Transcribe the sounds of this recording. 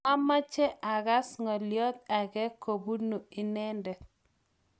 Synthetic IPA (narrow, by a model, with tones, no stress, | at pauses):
a˦ma˦t͡ʃɛ˦ʔa˨ɣa˦sŋɔ˨ljɔ˦t̪̚a˨ɣɛ˦ko˨bu˦nu˨ɪ˨nɛ˦ndɛ˨